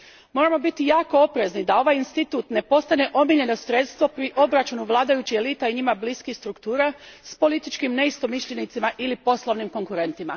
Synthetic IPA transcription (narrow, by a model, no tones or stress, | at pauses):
mo̞ːɾamo̞bit̪ijaːko̞o̞pɾe̞znid̪ao̞ʋajinst̪it̪uːt̪ne̞po̞st̪ane̞ʔo̞miʎe̞no̞sɾe̞t̪st̪ʋo̞pɾiʔo̞bɾat͡ʃunuʋlˠaːd̪ajut͡ɕie̞lit̪aiɲimabliskixst̪ɾukt̪uːɾaspo̞lit̪it͡ʃkimne̞ist̪o̞miʃʎe̞nit̪simaʔilipo̞slˠo̞ʋnimko̞ŋkuɾe̞nt̪ima̰